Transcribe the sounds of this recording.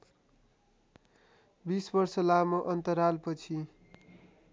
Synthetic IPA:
bisbʌrsʌlamoʔʌnt̪ʌɾalpʌt͡sʰi

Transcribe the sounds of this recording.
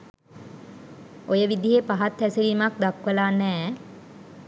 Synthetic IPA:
ojəʋid̪iɦepaɦat̪ːæsiliːmak̚d̪akʋəlaːnɛː

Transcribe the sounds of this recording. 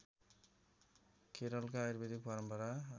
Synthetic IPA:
keɾʌlkaajɾbed̪ik̚bʌɾʌmpʌɾa

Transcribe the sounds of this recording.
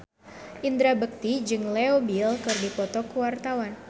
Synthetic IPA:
ʔind̪ɾabək̚t̪id͡ʒɨŋlɛobilkɨrdipɔt̪ɔkuwart̪awan

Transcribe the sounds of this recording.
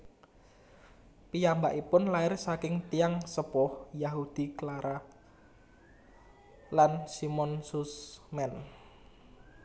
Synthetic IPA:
pijambaʔipʊnlaɪrsakɪŋt̪iaŋsəpɔhjaɦud̪̥i̤klaɾa | lansimɔnsusmɛn

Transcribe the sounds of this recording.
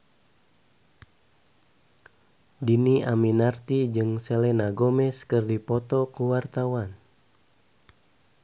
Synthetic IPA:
diniʔaminart̪id͡ʒɨŋselenaɡomɛskɨrdipɔt̪ɔkuwart̪awan

